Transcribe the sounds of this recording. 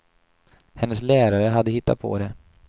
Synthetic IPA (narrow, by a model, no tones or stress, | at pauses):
hɛnːəslæːɾaɾəɦad̪ːəhɪt̪ːa̰t̪̚pʰɔ̰d̪ɛ